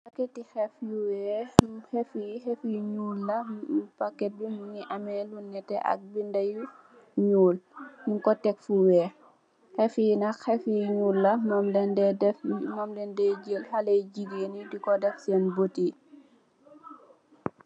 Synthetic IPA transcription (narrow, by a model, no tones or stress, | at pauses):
pɐkːɛtːixɛfjuwɛhɛfihɛfiɲuːlːɐmupɐkːɛt̚bimuŋiʔɐmɛlunːɛtːɛ̰ʔɐ̰k̚bindɐju | ɲuːlɲiŋkɔtɛkfuwɛː | xɛfijinɐkxɛfijɲuːlːɐmɔmdɛndɛɛmɔmlɛndɛɟəlhɐlɐjɟiɡeːnidikɔdɛfsɛːnbəti